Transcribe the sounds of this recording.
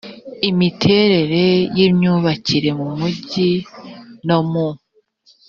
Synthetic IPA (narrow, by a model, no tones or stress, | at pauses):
imitʰe̞ːɾe̞ɾe̞jimɲuːβaciɾe̞mumuɟi | nomu